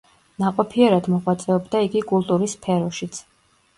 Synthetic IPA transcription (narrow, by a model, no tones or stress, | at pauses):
naqʼɔpʰiɛɾad̪mɔʁwat̪sʼɛɔbd̪aiɡikʼulˠt̪ʼuɾispʰɛɾɔʃit̪sʰ